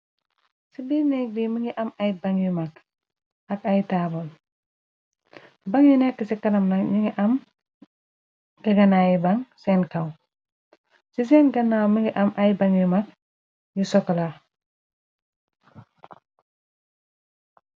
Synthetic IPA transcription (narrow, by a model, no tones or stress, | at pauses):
sibiːnɛk̚diməŋɡiʔɐmɐjbɐŋjumɐk̚ | ʔɐkɐjtaːbɐl | bɐŋjunɛkːəsikɐnɐmnɐkɲiŋɡiʔɐm | ɡ̥ɐɡɐnaːjibɐŋsɛnkɐw | sis̬ɛːnɡɐnawməŋɡiʔɐmʔɐjbɐŋjumɐk̚ | jusɔkɐlɐ